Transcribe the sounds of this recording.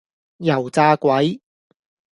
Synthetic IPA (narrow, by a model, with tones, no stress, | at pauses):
jɐ˨˩wt͡saː˧kʷɐ˨˥j